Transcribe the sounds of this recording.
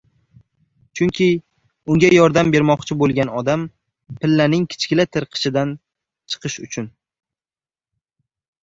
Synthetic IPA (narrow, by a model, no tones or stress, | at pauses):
t͡ʃʰʊŋkʲʰɪ | ʊŋɡʲajɒɾd̪ambe̞ɾmɒqt͡ʃʰɪbolˠɡʲanɒd̪am | pɪlːanɪŋkʲʰɪ̥t͡ʃkʲɪlat̪ʰɪɾqʰɨ̥ʃɪd̪an | t͡ʃʰɨ̥qʰɨʃʊt͡ʃʰʊn